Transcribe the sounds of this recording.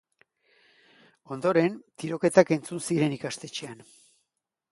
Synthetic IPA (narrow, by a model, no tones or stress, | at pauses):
o̞nd̪o̞ɾe̞nt̪iɾo̞ke̞t̪ake̞nt͡sunsiɾe̞nikast̪e̞t͡ʃean